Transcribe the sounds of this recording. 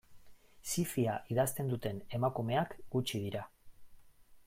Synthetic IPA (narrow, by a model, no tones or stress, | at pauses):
sifiaʔiðast̪e̞nd̪ut̪e̞ne̞makume̞akɡut͡ʃið̞iɾa